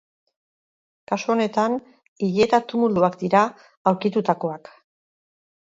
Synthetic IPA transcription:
kasuo̞ne̞t̪an | iʎe̞t̪at̪umuluakd̪iɾa | awɾkit̪ut̪ako̞ak

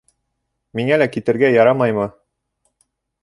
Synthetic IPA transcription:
miŋælækit̪ɘ̆ɾɡæjɑɾɑmɑjmɤ

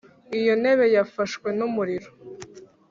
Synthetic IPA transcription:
ijo̞ne̞βe̞jafaʃkwe̞numuɾiɾo

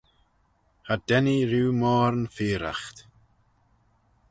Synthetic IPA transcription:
hadɛniɾuːmɔːɾnfiːɾa̰xt̪

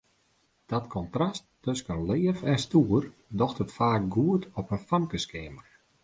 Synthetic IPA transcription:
d̥ɔtkʰɔntrastː | øskənlɪːəfɛstuːərdɔxtətfaːk̚ɡuətʰɔpənfamkəskeːmər

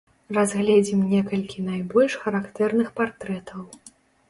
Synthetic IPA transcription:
razɣlʲɛd͡zʲimnʲɛkɐlʲkʲinajbɔlʲʂxɐɾakt̪ɛrnɨxpart̪ɾɛt̪ʰɐw

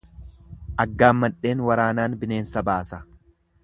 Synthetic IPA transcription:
ʔɐɡːaːmːɐᶑe̞ːnwɐɾaːnaːnbɪne̞ːnsɐbaːsɐ

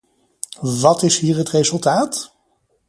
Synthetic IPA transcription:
ʋɑtɪsɦiːɹɦətrezɵlˠtaːt

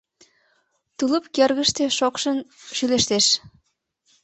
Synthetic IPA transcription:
t̪ulə̆pkerɣə̆ʃt̪ĕʃokʃə̆nʃyleʃt̪eʃ

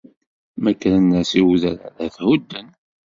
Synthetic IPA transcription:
mækːɾənːæsiwðæɾa̰ðæθhud̪ːən

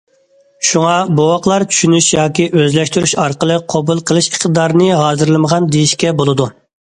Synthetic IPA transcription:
ʃuŋɑbowɑqlˠɑɾt͡ʃʰy̥ʃynyʃjɑːkʲiʔøzlɛʃt̪yɾy̰ʃɑɾqəlˠɨqʰobulˠqʰəlˠɨʃiχt̪ɨd̪ɑɾnɨɦɑːzɨɾlˠɨməʁɑnd̪ejiʃkʲɛbolˠɨd̪u

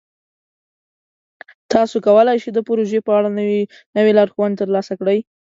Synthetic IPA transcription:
t̪ɑsokawəlajʃed̪əpʊɾoʒepəaɽan | nəwelɑɾxwand̪̚t̪əɾlɑsakɽəj

